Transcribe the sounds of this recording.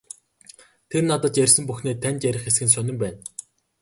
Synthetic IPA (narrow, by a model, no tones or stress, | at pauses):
t̪ʰernat̪ə̆t͡ɕjærʲsɘ̆mpuxneːt̪ʰːænʲt͡ɕ̪jæɾʲɪ̆χes̬ɡɘ̆ns̬œnɪ̆mpæːn